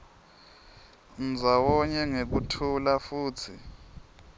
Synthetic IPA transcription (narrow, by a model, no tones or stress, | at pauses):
n̩d͡zʱawɔɲɛŋek̬utʰulafuːtʰi